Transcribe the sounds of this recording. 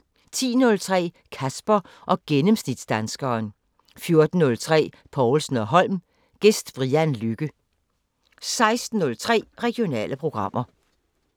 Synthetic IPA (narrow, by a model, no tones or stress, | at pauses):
t͡sʰḭːnɔ̽lt͡sʰʁɛ̰ː | kʰæsb̥ɐ | ʔɒ̽ɡ̥enəmsnid̥sd̥ænsɡ̥ɐːn | fjo̝ɐd̥n̩ːɔ̽lt͡sʰʁɛ̰ː | pʰɒʊlsn̩ɒ̽ɦɒ̽l̰m | ɡ̥esd̥fʁiænlyɡ̥ə | sɑ̈ɪsd̥n̩ːɔ̽lt͡sʰʁɛ̰ːʁɛɡ̥io̝nɛ̰ːləpʰʁo̝ɡ̥ʁɑ̈m̰ʔɐ